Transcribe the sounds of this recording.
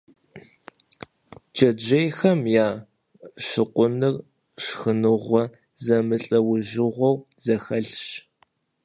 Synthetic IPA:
d͡ʒʼɐd͡ʒejxɐmjaː | ʃɨqʷʼʊnɨr | ʂxɨnɨʁʷɔ | zɐmɨɬʼɐwʊʒɪʁʷɔwz̥ɐxɐɬʃ

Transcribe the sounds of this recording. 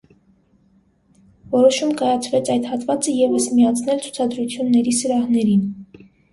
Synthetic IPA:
vɔɾɔʃumkɑjɑt͡sʰvɛt͡sʰɑjd̪hɑt̪vɑt͡səjɛvəsmiɑt͡sʰn̪ɛlt͡sʰu̥t͡sʰɑd̪ɾut͡sʰjunːɛɾisəɾɑhnɛɾin

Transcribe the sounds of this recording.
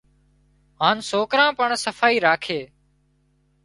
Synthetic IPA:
ɦãːnsoːkɾãːpəɳsəfʰaːiːɾaːkʰeː

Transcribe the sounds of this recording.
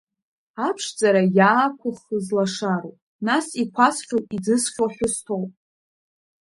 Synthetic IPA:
apʰʂd͡zaɾajaːkʷʰʊχəzlaʂaɾowpʼ | nasikʷʰasχʲowid͡zɨsχʲoħʷᶣʊstʰowpʼ

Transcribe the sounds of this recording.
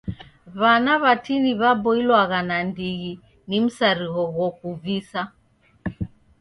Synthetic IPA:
βanaβatiniβabɔilwaɣanandiɣi | nim̩saɾiɣɔɣɔkuvisa

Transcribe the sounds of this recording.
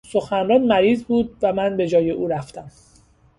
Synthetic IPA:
so̞xænrɒːnmæɾiːzbuːd̪̚væmænbe̞d͡ʒɒːje̞ʔuːɾæft̪æm

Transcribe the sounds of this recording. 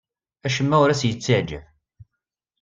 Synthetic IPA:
æʃəmːæwʊɾæsjət͡sːiʕd͡ʒə̰v

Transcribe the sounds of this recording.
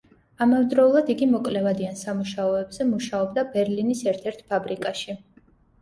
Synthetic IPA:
amavɛd̪ɾɔulˠad̪iɡimɔkʼlɛvad̪iansamuʃaɔɛbz̥ɛmuʃaɔbd̪abɛɾlinisɛɾt̪ʰɛɾt̪ʰpʰabɾikʼaʃi

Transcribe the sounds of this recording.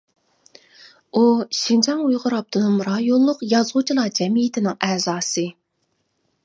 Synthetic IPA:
uʃind͡ʒɑŋujʁʊɾɑp̚d̪̥ʰɨnɨmɾɑːjolˠːʊqjɑzʁʊt͡ʃʰilˠɑd͡ʒɛmijɪt̪ʰɪnɪŋɛzɑːsɨ

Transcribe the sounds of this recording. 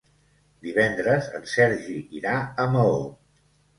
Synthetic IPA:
d̪iβ̞ɛnd̪ɾəzə̰nsɛɾʒiiɾaəməo

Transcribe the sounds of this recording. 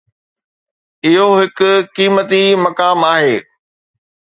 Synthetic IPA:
ɪɦoɦɪkʊ̆kiːmət̪imɐkaːmaːɦeː

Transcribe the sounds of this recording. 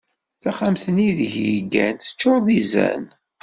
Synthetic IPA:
θæχamθəniðʝjəɡænθə̥t͡ʃːoɾðˤizæ̰n

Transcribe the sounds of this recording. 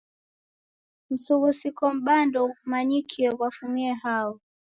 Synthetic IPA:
m̩suɣusikɔm̩ɓandɔmaɲikʰiɛwwafumiɛhaɔ

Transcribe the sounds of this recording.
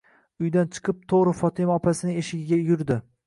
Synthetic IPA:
ʊjd̪ant͡ʃʰɨ̥qʰɨp̚t̪ʰoʁɾɪfɒt̪ʰɪmɒpʰasɪnɪeʃɪɡʲɪɡʲajʊɾd̪ɪ

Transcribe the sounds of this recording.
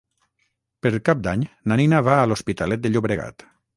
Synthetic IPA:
peɾkap̚d̪aɲnaninaβaːlospit̪alɛt̪̚d̪eʎuβɾeɣa̰t̪

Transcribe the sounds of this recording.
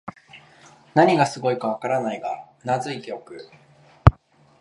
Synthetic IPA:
naɲ̟iɡasɨɡo̞ikaβ̞akaɾanaiɡa̰ | nazɨit̪eo̞kɯ̟

